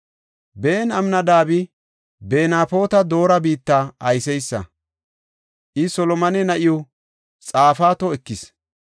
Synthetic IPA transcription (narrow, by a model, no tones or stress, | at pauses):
beːnɐmnɐd̪aːbɪ | be̞ːnaːpo̞ːt̪ɐd̪o̞ːɾɐbiːt̪ːaɐjsɛjsːɐ̰ | ʔɪsɔlɔmɐnɛnɐʔɪjɔ | t͡sʼaːfaːt̪ɔɛkːɪs